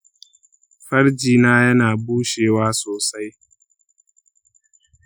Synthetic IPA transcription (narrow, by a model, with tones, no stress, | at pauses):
ɸɐ˦ɽd͡ʒiː˨naː˦jɐ˦naː˨buː˦ʃeː˨waː˦soː˨sa˦j